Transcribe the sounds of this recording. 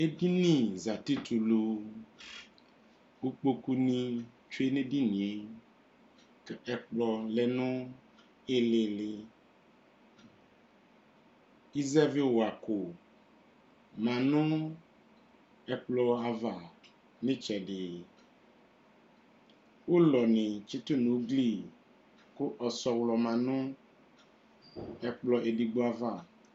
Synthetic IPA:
e˦di˦nĩ˨za˨ti˦tʰu˨lu˨ | u˦k͡po˦ku˦nĩ˦ | t͡ʃu˦e˦nẽ˦di˦nĩ˨e˦ | kɛ˨ɛ˦k͡plɔ˦lɛ˦nʊ̃˦ | ɪ˦lɪ˨lɪ˦ | i˦zɛ˦vi˦˨wa˨kʊ˨ | mã˨nʊ̃˦ | ɛ˨k͡plɔ˦a˨va˨ | nɪ̃˦t͡ʃɛ˨ɖɪ˨ | wo˦lɔ˨nɪ̃˨t͡ʃɪ˦tʊ˦nũ˨˦ɡli˦˨ | kʊ˦ʔɔ˨sɔ˨wlɔ˨mã˨nʊ̃˦ | ɛ˨k͡plɔ˨ʔe˨di˨ɡ͡bo˨˦a˨va˨

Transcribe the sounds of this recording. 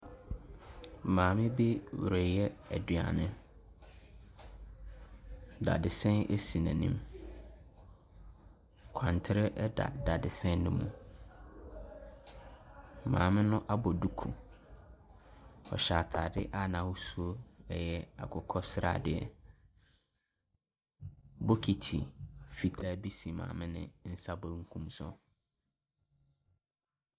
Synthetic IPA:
mãː˨mɪ̃˦be˦wu˨ɾæ˨jɛ˦æ˨dɥa̰˨nɪ̃˦ | da̰˨dɪ˨sɛ̃˦nʔe˦si˨nã̰˨nḭ̃˦m | kʷʰã˨n˨tʰɪ˦ɾɛ˦ʔɛ˦da̰˨da˨dɪ˨sɛ̃˦nnʊ̃˦mũ˨ | mã̰ː˨mɪ̃˦nʊ̃˦ʔa˦bɔ˨du˦kʰu˨ | ɔ̰˨ɕa˨tʰaː˨dɪ˦ʔa˦nã˨wʊ˦su˦o˦ɛ˦jɛ˦a̰˨kʰʊ˨kʰɔ˦sɾa̰˨dɪ˦ɛ̰˦˨ | bɔ˦kʰi˨tʰḭ˨fi˨tʰaː˦bi˦si˨mã̰ː˨mɪ̃˦nɪ̰̃˨n̩˦sa˦bɔ˦ŋ̩˦kʰũ˦msɔ̰˦

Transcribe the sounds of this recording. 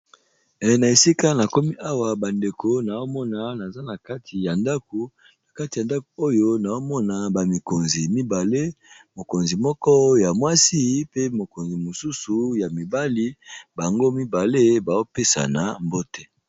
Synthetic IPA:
ɛ˨na˨e˨si˦ka˦na˨ko˦mi˦ʔa˦wa˨ba˨nde˨ko˨na˨o˦mɔ˦na˨na˨za˦na˨ka˦tʰi˨ja˨nda˦ko˨ | na˨ka˦ti˨a˨nda˦ko˨o˦jo˦na˨o˦mɔ˦na˨ba˨mi˨ko˨nzi˨mi˦ba˨le˦mo˨ko˨nzi˨mɔ˦kɔ˦ja˨mwa˦si˦pe˦mo˨ko˨nzi˨mo˨su˦su˨ja˨mi˨ba˦li˦ba˨ŋɡo˦mi˦ba˨le˦ba˨zo˦pe˦sa̰˨na˨mbo˦tɛ˦

